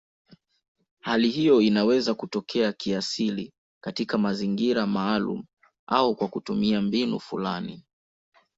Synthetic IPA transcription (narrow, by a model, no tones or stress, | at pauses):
halihijɔinawɛzakutɔkʰɛakiasili | katikamaziŋɡiɾamaːlṵm̩ | aukwakutumiambinṵfula̰ni